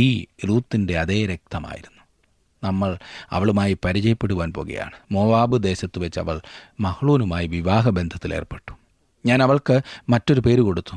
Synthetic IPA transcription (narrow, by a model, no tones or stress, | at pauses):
iːɾuːt̪ːinde̞ɐðe̞ːɾek̚t̪ɐma̰ːjḭɾunːu̥ | nɐmːɐɭɐ̰ʋɐɭumaːjipɐɾit͡ɕɐjɐpːe̞ɽuʋaːnpo̞ːɣɐ̰ja̰ːɳɨmo̞ːʋaːbɨd̪e̞ːɕɐt̪ːɨʋet͡ɕːɨɐ̰ʋɐɭmɐhɐɭuːnumaːjiʋiʋaːɦɐbe̞nd̪ʱɐt̪ːilḛːrpe̞ʈːu̥ | ɲaːnɐʋɐɭkɨmɐtːo̞ɾupe̞ːɾuko̞ɽut̪ːu̥